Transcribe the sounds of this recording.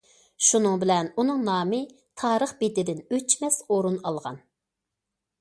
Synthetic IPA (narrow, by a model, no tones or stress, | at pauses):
ʃunɨŋbɪlɛnunɨŋnɑːmɨ | t̪ʰɑːɾəχbed̪ɪd̪ɪnøt͡ʃmɛsoɾunɑlˠʁɑ̰n